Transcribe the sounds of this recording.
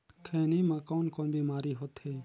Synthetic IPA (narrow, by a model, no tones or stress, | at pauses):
kʰeːniːmãkoːnkoːnbʱiːmaːɾiːɦot̪heː